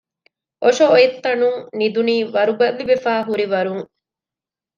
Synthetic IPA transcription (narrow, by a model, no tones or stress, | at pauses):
ʔoʃooit̪ːɐnuŋnid̪uniːʋɐɾuɡɐlːiʋefaːɦuɾiʋɐɾuŋ